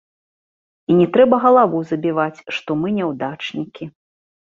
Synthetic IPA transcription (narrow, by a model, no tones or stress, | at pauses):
inʲɛt̪ɾɛbɐɣɐlˠavuzɐbʲivat͡sʲʂt̪ɔmɨnʲɛwd̪at͡ʂnʲikʲi